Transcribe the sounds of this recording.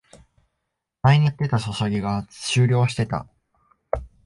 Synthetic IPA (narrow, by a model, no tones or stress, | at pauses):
maiɲ̟it̪ːe̞t̪aso̞soɡʲiɡaɕɨːɾʲo̞ːɕi̥t̪e̞t̪a̰